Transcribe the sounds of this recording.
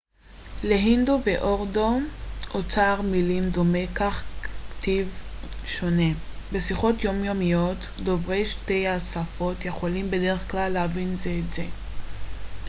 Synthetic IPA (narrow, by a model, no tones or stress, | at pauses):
leɦindoveʔoʁdo̞ʔot͡saːʁmilimdo̞me̞kaχktivʃo̞ne̞be̞siχo̞tjo̞mjomijot | do̞vʁe̞jʃte̞jasafo̞tjeχolimbe̞deʁeχklalːeavinzeːtze̞